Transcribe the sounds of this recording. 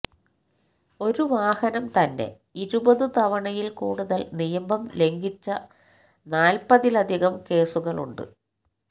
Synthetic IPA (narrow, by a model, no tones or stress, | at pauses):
o̞ɾuʋaːhɐnɐmt̪ɐnːe̞̰ | iɾubɐðɨt̪ɐʋɐɳɐjilkṵːɽuðɐlnijɐmbɐmle̞ŋɡit͡ɕːɐ | naːlpɐðilɐd̪ʱiɣɐmke̞ːsuɣɐɭṵɳɖɨ̰